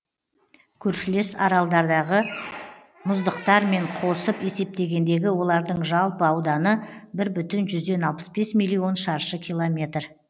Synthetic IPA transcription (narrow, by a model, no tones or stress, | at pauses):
kʲʰɵɾʃɪle̞sɑɾɑlˠd̪ɑɾd̪ɑʁə | mʊzd̪əqt̪ɑɾme̞ɴqʰo̞səpe̞se̞p̚t̪e̞ɡʲe̞nd̪e̞ɡʲɪwo̞lˠɑɾd̪əɴʒɑlˠpəɑwd̪ɑnəbɪɾbʏt̪ɪnʒʏzd̪e̞nɑlˠpə̥sbe̞smijlʲˠːijo̞nʃɑɾʃəkʲʰijlˠomʲe̞t̪r